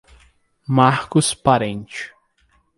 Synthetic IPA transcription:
maɾkʊspaɾẽnt͡ʃʊ̥

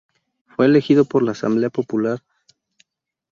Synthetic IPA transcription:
fwe̞ːle̞xiðo̞po̞ɾlaːsa̰mble̞apo̞pulaɾ

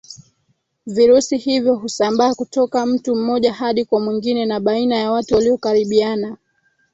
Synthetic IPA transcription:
viɾusihivjɔɦusambaːkutɔkam̩tum̩mɔʄahaɗikwamwiŋɡinɛnaɓainajawatuwaliɔkaɾiɓiana

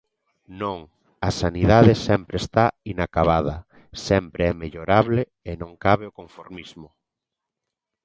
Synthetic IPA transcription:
nõŋ | asaniðaðesɛmpɾeːst̪ainakaβaðɐ | sɛmpɾeɛmeʎoɾaβle | enõŋkaβeokoɱfoɾmizmʊ

